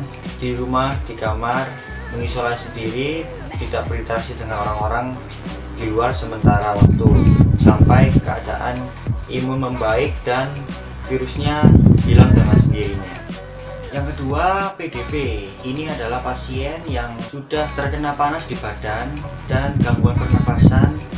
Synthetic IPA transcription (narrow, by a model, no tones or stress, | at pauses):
d̥iɾumahd̥ikamar | məŋisolasisəndiɾi | t̪idaʔb̥əɾit̪ɾasidəŋanoɾaŋoɾaŋ | d̥iluarsəmənt̪aɾawak̚t̪usampajkəa̰da̰ʔa̰n | ʔimʊmːəmbaɪk̚d̥an | fiɾusɲabilaŋdəŋansəndiɾiɲa | jaŋkəduapedepe | iniadalahpasiɛnjaŋsud̥aht̪ərkənalpanasdibad̥and̥anɡamɡuanpərnəfasan